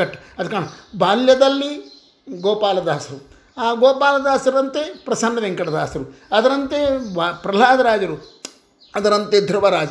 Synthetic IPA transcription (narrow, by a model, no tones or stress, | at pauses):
ɐʈːɐɐd̪kaːɳbaːljɐd̪ɐlːi | ɡoːpaːlɐd̪aːsɐɾu | aːɡoːpaːlɐd̪aːsɐɾɐnt̪epɾɐsɐnːɐd̪eŋkɐɽɐd̪aːsɐɾuɐd̪ɐɾɐnt̪eʋapɾɐlaːd̪ɐɾaːd͡ʒɐɾu | ɐd̪ɐɾɐnt̪ed̪ʱɾɐʋɐɾaːd͡ʒɐ